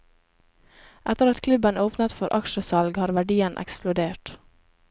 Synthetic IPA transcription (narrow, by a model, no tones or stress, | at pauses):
ʔæt̪əɾɑt̪kʰlʉbənoːpnət̪fɔɾʔɑkʃəsɑlɡhɑːɾʋæɖiːənʔɛ̰ksplʊd̪eːʈ